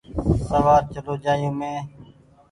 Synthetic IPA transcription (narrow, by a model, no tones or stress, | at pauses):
səʋaːɾt͡ʃəloːd͡ʒaːjũːmẽː